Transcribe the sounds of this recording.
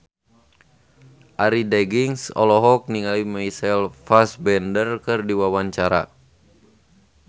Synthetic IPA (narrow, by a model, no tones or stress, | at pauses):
ʔaɾidɛɡiŋsɔ̰lɔɦɔk̚niŋalimaisɛlfasbɛndərkɨrdiwawaɲt͡ʃaɾa̰